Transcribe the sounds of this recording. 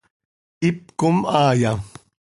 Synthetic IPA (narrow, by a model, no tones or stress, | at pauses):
ɪp̚kʊmaːja